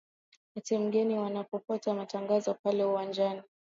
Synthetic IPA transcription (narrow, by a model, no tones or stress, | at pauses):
watim̩ɡɛniwanapɔpɔtamataŋɡazɔpalɛuwand͡ʒani